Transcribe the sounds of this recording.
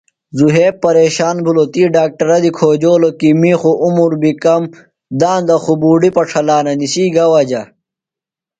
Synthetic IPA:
zuɦeːpɐɾeːɕaːnbʱulot̪iːɖaːk̚ʈɐɾɐd̪ikʰoːd͡ʑoːlokimiːxuʔumuɾbikɐm | d̪aːnd̪ɐxubuːɖipɐʈ͡ʂʰɐlaːnɐnisiːɡɐwɐd͡ʑɐ

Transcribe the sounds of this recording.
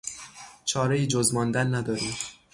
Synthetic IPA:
t͡ʃʰɒːɾejiːd͡ʒozmɒːnd̪ænːæd̪ɒːɾiːm

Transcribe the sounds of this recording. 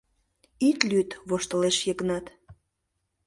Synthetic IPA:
it̪lyt̪βoʃt̪əleʃjəɣənɑt̪

